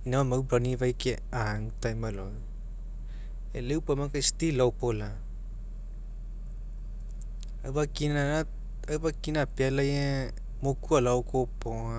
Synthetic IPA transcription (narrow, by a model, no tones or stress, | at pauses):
inaamawbɾaniβajke | aŋtajmaloj | elewpamakajstilawpola | awbakina | awbakinapealaje | mokualaokopoa